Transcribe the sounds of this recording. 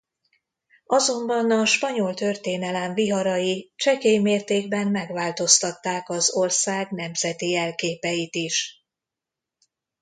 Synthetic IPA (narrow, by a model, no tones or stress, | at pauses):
ɒzo̞mbɒnɒʃpɒɲo̞lt̪ø̞rt̪eːnɛlɛɱviɦɒɾɒjit͡ʃɛkeːjmeːrt̪eːɡ̚bɛnːɛɡvaːlt̪o̞st̪ɒt̪ːaːkɒzo̞rsaːɡn̪ɛmz̥ɛt̪iɛlkeːpɛjit̪iʃ